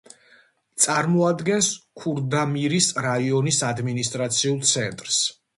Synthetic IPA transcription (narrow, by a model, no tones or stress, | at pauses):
t̪sʼaɾmɔad̪ɡɛnskʰuɾd̪amiɾisɾaiɔnisad̪minist̪ʼɾat̪sʰiulˠt̪sʰɛnt̪ʼɾs